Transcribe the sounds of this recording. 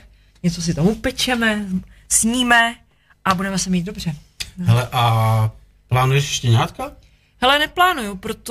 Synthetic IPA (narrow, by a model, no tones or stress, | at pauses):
ɲɛt͡so̞s̬ɪt̪omupɛt͡ʃɛmɛsɲiːmɛ | ʔabudɛmɛsɛmiːt̪̚do̞br̝ɛ | ɦɛlɛʔa | plaːnujɛʃʃcɛɲaːt̪ka | hɛlɛnɛplaːnujupɾot̪